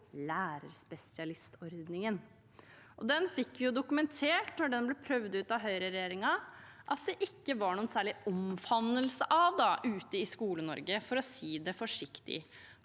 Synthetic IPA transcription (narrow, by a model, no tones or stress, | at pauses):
læːɾəɾspɛsɪɑlɪst̪ʰɔɾd̪nɪŋən | ʔɔd̪ɛnfɪkːʋɪjʊd̪ʊkʉmɛnt̪ʰeːʈnɔɖɛnblɛpʰɾœʋd̪ʉːt̪ɑɦœʏɾəɾɛjeːɾɪŋɑ | ʔɑt̪̚d̪ɛʔɪkːəʋɑɳuːənsæːɭɪɔmfɑnːəlsəʔɑʋd̪ɑʔʉːt̪əɪskuːlənɔ̰ɾɡəfɔɾɔsiːd̪ɛfɔʂɪkt̪ɪ̰